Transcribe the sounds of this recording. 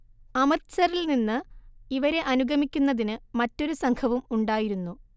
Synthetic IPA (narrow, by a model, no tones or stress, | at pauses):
ɐmɐsɐɾilninːɨiʋɐɾe̞ʔɐnuɡɐmikʲːunːɐðinɨmɐtːo̞ɾusɐŋkʰɐʋumuɳɖaːjiɾunːu